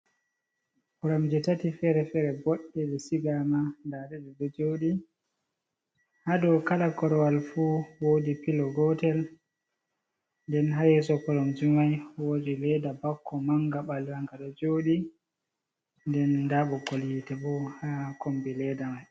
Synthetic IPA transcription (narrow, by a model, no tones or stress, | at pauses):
pɔɾɔmd͡ʒɛtatifɛɾɛfɛɾɛbɔɗːɛlɛsiɡamandaɗɛɗɛɗɔd͡ʒoːɗi | hadɔkalakɔɾɔwalfuwoːdipilɔɡɔtɛl | ndɛnɦajɛsɔpɔɾɔmd͡ʒimajwod͡ʒilɛdabakʰːɔmaŋɡaɓalhaŋɡaɗɔd͡ʒoːɗi | ndɛndaɓɔɡoljitɛbɔhakombilɛdamaj